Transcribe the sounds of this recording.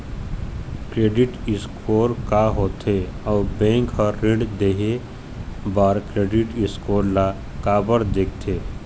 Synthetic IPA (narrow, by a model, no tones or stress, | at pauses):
kɾeːɖɪʈɪskʰoːɾkaɦoːt̪eɔːbẽːŋkɦəɾɪ̃ɖd̪eɦe | baːɾkɾeːɖɪʈɪskoːɾla | kaːbəɾd̪ek̚t̪ʰeː